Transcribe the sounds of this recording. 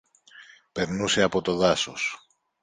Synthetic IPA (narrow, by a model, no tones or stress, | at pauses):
pe̞ɾnuse̞ɐpo̞t̪o̞ðɐsos